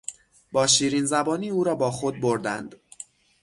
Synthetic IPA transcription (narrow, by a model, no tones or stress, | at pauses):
bɒːʃiːɾiːnzæbɒːniːuːɾɒːbɒːxod̪̚boɾd̪æ̰nd̪̥